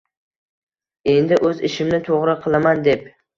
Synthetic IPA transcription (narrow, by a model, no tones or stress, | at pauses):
e̞nd̪ɪʔɵzɪ̰ʃɪmnɪt̪ʰoʁɾɪqʰɨlˠamand̪e̞p